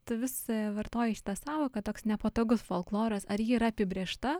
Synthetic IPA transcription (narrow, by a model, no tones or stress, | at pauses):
t̪ʊʋʲɪsʋɐrt̪oːjɛʃʲɪ̥t̪ɐsɑːʋoːkɐt̪oːksnʲɛpoːt̪oːɡʊsfoːlˠklˠoːɾɐsɐɾjiːiɾɐɐpʲɪbʲɾʲeːʃt̪ɐ